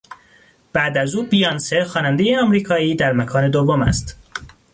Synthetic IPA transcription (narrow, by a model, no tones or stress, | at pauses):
b̥æːd̪æzuːbijɑnsexɒːnænd̪ejeɒmɾiːkʰɒːiːd̪æɾmækʰɒːne̞d̪ovːomæ̰st̪